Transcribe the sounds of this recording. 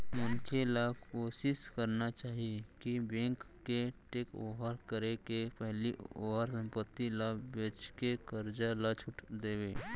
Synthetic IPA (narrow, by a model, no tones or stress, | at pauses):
mənkʰelakoːsɪskəɾnat͡ʃaːɦiekibẽːŋkːeʈeːko̰ɦəɾkəɾekepɛɦlio̰ːɦaɾsə̃mpət̪ːilabet͡ʃkekəɾd͡ʒalat͡ʃʰʊʈd̪eːweː